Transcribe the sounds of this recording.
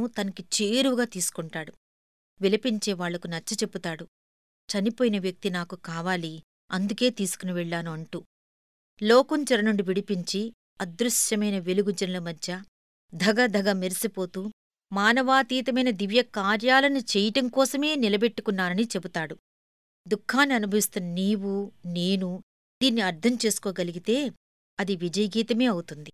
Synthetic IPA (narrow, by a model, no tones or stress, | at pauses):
ut̪ɐnɐkit͡ʃiːɾuʋuɡaːt̪iːsu̥kuɳʈaːɽu | ʋilɐpiɲt͡ʃe̞ːʋaːɭːɐkunɐt͡ʃːɐt͡ʃe̞pːut̪aːɽu | t͡ʃɐnipoːjinɐʋjɐk̚t̪inaːkukaːʋaːli | ɐnd̪uke̞ːt̪iːsu̥kunɐʋɛɭːaːnuɐɳʈuː | lɔːkuɲt͡ʃɐɾɐnuɳɖiʋiɽipiɲt͡ʃi | ɐd̪ɾuʂjɐmɐjnɐʋe̞luɡud͡ʒɐnɐlɐmɐd̪ʱjɐ | d̪ʱɐɡɐd̪ʱɐɡɐmeɾisipo̞ːt̪uː | maːnɐʋaːt̪iːt̪ɐmɐjnɐd̪iʋjɐkaːɾjaːlɐnut͡ʃejɐʈɐŋkɔːsɐme̞ːnilɐbe̞ʈːukunːaːɾɐnit͡ʃe̞but̪aːɽu | d̪ukʰːaːnːiɐnubʱɐʋist̪unɐniːwuneːnu | d̪iːnːiɐɾd̪ʱɐmt͡ʃe̞ːsu̥koːɡɐliɡit̪e̞ː | ɐd̪iʋid͡ʒɐjɐɡiːt̪ɐme̞ːɐwut̪und̪i